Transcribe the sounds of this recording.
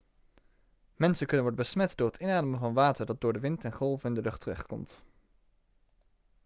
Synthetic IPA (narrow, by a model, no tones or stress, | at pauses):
mɛnsənkɵnənʋɔɹdəbəsmɛtdʊːɹɦətɪnaːdəməvɑnʋaːtəɹdɑt̚dʊːɹdəʋɪntɛnχɔlˠvəɪndəlɵχtʰərɛχtkɔ̰mt